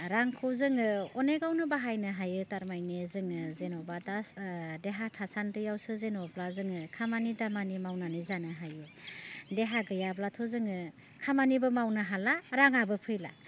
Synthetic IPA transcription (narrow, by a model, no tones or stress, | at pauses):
ɾaŋkʰɯwzɯŋɯɔneɡawnɯbaɦajnɯɦajɯtaɾmajnezɯŋɯzenɔbadasdeɦatʰasantɯjawsɯzenɔblazɯŋɯkʰamanidamanimawnanɯzanɯɦajɯdeɦaɡɯjablatʰɯzɯŋɯ | kʰamanibɯmawnɯɦalaɾaŋabɯpʰɯjla̰